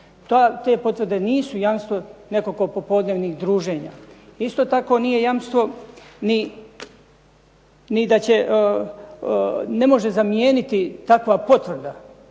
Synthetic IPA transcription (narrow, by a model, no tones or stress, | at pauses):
t̪ot̪e̞ːpo̞t̪ʋrɾd̪e̞niːsujamst̪ʋo̞ne̞koko̞po̞po̞d̪neːʋnixd̪ɾuːʒe̞ːɲa̰ːist̪o̞ːt̪ako̞nije̞jamst̪ʋo̞ni | nid̪at͡ɕe̞ʔ | ne̞mo̞ʒe̞zamijeːnit̪it̪akʋapo̞t̪ʋr̩d̪a